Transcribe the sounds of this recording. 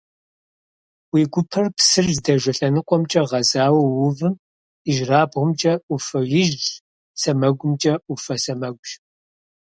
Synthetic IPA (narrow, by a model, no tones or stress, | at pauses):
wiːɡʷʊpʰɐrpsɨrzdɐʒʷɐɬɐnɨqʷʼɔmt͡ʃʼɐʁɐzaːwɐwʊvɨm | iʒraːbʁʷʊmt͡ʃʼɐufɐjɪʒɮ | sɐmɐɡʷʊmt͡ʃʼɐufɐsɐmɐɡʷʒ